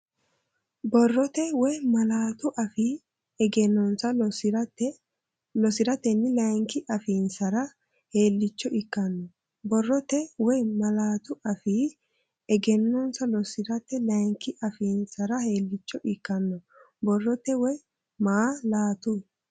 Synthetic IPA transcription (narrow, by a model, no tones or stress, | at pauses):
bɔrːɔt̪ɛwɔjmɐlaːt̪ʊʔɐfi | ɛɡɛnːɔnsɐɾt̪ːɛ | lɔsɪɾɐt̪ːɛnːɪlɐjŋkɪʔɐfiːnsɐɾɐ | he̞ːlːɪt͡ʃːɔʔɪkːɐnːɔ | bɔrːɔt̪ɛwɔjmɐlaːt̪ʊʔɐfiː | ɛɡɛnːɔnsɐlɔsɪɾɐt̪ːɛlɐjŋkɪʔɐfiːnsɐɾɐheːlːɪt͡ʃːɔʔɪkːɐnːɔ | bɔrːɔt̪ːɛwɔj | maːlaːt̪ʊ